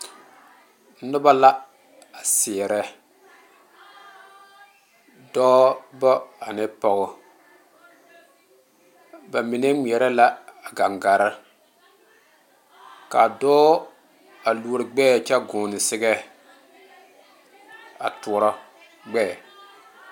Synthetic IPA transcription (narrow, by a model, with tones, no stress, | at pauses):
nʊ˦ba˦la˦ | a˨sɪ˨ɛ˨ɾɛ˦ | dɔː˦bɔ˦a˨nɪ˦pɔ˨ɣʊ˦ | ba˨mi˨nɛ˦ŋi˨ɛ˨ɾɛ˦la˦a˨ɡa˨ŋɡa˨ɾa˦ | ka˨dɔː˦ | a˨lu˦ɾɨ˨ɡ͡bɛː˦˨t͡ʃɛ˦ɡʊː˨nɪ˨sɪ˦ɡɛ˦ | a̰˨tu˨˦ɾɔ˦ | ɡ͡bɛː˦˨